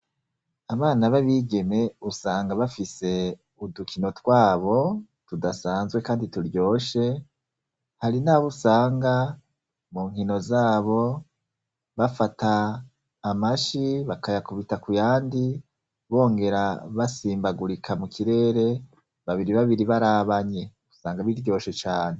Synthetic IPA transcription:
aβaːnaβaβiːɡe̞ne̞usaːŋɡaβafise̞ | udukino̞twaːβo̞ | tudasaːnzɡwe̞kaːndituɾjo̞ːʃe̞ | haɾinaβusaːŋɡa | muːŋɦino̞zaːβo̞ | βafataː | maʃiβakajakuβitakujaːndi | βo̞ːŋɡe̞ɾaβasiːmbaɡuɾikʰamukʰiɾe̞ːɾe̞ | βaβiɾiβaβiɾiβaɾaːβaɲe̞ | usaːŋɡaβiɾɟo̞ːʃe̞t͡ʃaːne̞

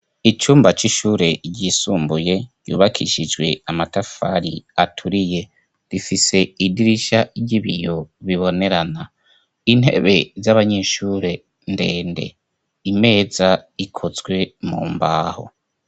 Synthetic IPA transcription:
it͡ʃuːmbat͡ʃiʃuːɾe̞ɾɟisuːmbuje̞ɟṵːβakʰiʃid͡ʒɡwe̞̰amatafaɾiatʰuɾije̞ | ɾifise̞idiɾiʃaɟiβijoβiβo̞ne̞ɾana | in̥e̞̰βe̞zaβaɲe̞ːʃuːɾe̞ | nde̞ːnde̞̰ | ime̞ːzaikʰozɡwe̞mṵːmbaːho̰

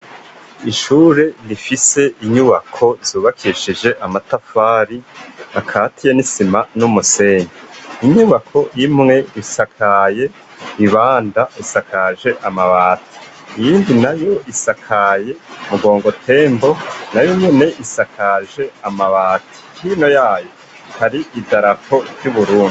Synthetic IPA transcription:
iʃuːɾe̞nifise̞ʔiɲuβakʰo̞z̥uːβakʰiʃid͡ʒe̞ʔamatafaːɾiakʰatʰijanisimanumuse̞ːniiɲuβakʰo̞jimŋe̞isakʰaje̞ | iβaːndaisakaʒe̞ʔamaβaːti̥ː | jiːndinajo̞ʔisakʰaje̞muɡo̞ːŋɡo̞tʰe̞ːmbo̞najomone̞ʔisakʰaʒe̞amaβaːtʰi̥hiːno̞jaːjo̞ | haɾiʔidaɾapʰo̞vjuβuɾuːnd

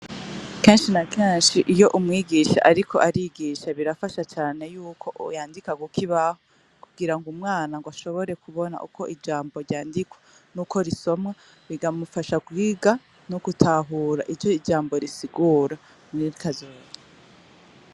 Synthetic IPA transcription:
keːnʃinakeːnʃiʔijo̞ʔumŋiːɡiʃa̰ʔaɾikʰo̞̰ʔaɾiɡiʃaβiɾafaʃat͡ʃaːne̞juːkʰo̞ʔjaːndikaɡukʰiβaho | kuɡiɾaŋɡumŋaːnaŋɡwaʃo̞βo̞ɾe̞kuβo̞na̰ʔuko̞ʔid͡ʒaːmbo̞ɾjaːndikwa | nuːkʰo̞ɾiso̞mŋa | ɾiɡamufaʃaɡwiːɡa | nuɡutʰaɦuːɾa̰ʔid͡ʒd͡ʒo̞id͡ʒaːmbo̞ɾisiɡuːɾa | muiɾikazoːza

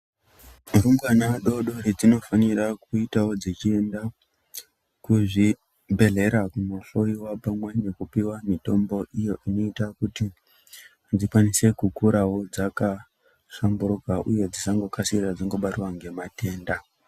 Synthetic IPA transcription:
muɾumɡanaɗo̞ɗo̞ɾed͡zino̞faniɾakuitawo̞d͡zet͡ʃie̞nda | kuʐi | bʱe̞ɮe̞ɾakumuɬo̞iwapamwane̞kupiwamito̞mbo̞ʔijo̞ʔino̞itakuti | d͡zikwanise̞kukuɾawo̞d͡zaka | ʂambuɾukaʔuje̞d͡zisaŋɡo̞kasirad͡ziŋɡo̞ɓatiwaŋɡe̞mate̞ːnda

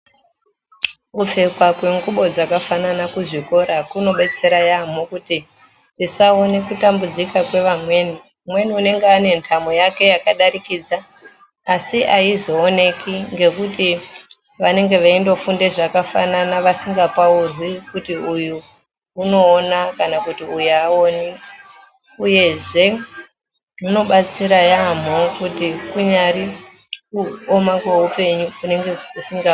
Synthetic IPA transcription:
kufe̞kwakwe̞ŋɡuɓo̞d͡zakafananakuʐiko̞ɾakuno̞ɓe̞t͡se̞ɾajamokuti | tisao̞ne̞kutambud͡zikakwe̞ʋamwe̞ːni | mwe̞niune̞ŋɡeane̞ntʰamojake̞jakaɗaɾikid͡zaː | siʔaizo̞ːne̞kiŋɡe̞kuti | ʋane̞ŋɡe̞ʋaindo̞funde̞ʐakafa̰nanaʋasiŋɡapaurwikutiuju | uno̞ːnakanakutiujuaoni | uje̞ʐe̞ | muno̞ɓat͡siɾajam̤okutikuɲaɾi | kuomakwe̞ɦupe̞ɲuune̞ŋɡe̞usiŋɡa

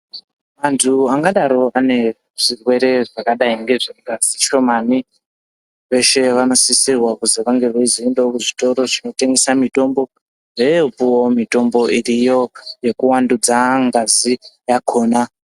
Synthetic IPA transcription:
mantʰuaŋɡaɗaɾo̞ane̞ | ʐ̥irwe̞ɾe̞ʐakaɗaiŋɡe̞ʐeŋɡaziʃo̞mani | ʋe̞ʃe̞ʋano̞sisirwakuzeʋaŋɡe̞ʋeizoendookuʐito̞ɾo̞t͡ʃino̞te̞ŋɡesamito̞mbo̞ | ʐeopuwo̞mito̞mbo̞irijo̞je̞kuwandud͡zaŋɡazijakʰo̞ːna

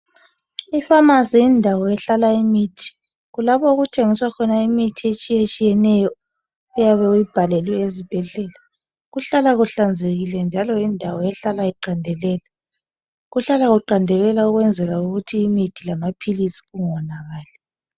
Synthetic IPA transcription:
ifamazijindʱawɔɛɬalaimiːtʰi̥ | ɣulapɔuɣutʰeŋiswakʰɔnaimitʰiet͡ʃʼijet͡ʃʼijɛnɛjɔ | ujaβɛujib̥ʱalɛlwiezib̥ʱɛɮɛːla | ɣuɬalaɣuɬand͡zʱeɣilɛnd͡ʒʱalɔindʱawɔɛɬalaiǃandʱɛlɛːla | ɣuɬalaɣuǃandʱɛlɛlauɣwɛnd͡zʱɛɣauɣutʰiːmitʰilamapʰilisi̥ɣuŋɔnaɣaːlɛ

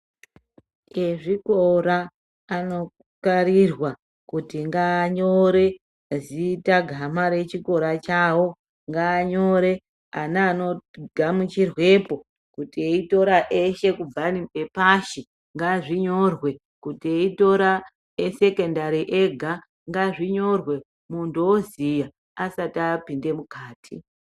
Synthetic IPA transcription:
e̞ʐikoɾaː | no̞ | kaɾirwa | kutiŋɡaːɲo̞ɾe̞ | zitaɡʱamaɾe̞t͡ʃiko̞ɾat͡ʃawo̞ | ŋɡaːɲo̞ɾe̞ | anaːno̞ɡʱamut͡ʃirwe̞po | kutieito̞ɾaʔeʃe̞kuvaniepaʃi | ŋɡaʐiɲo̞rwe̞ | kutieito̞ɾa | ese̞kendaɾiʔeɡʱa | ŋɡaʐiɲorwe̞ | muntuozija | asatapinde̞mukaːtʰi

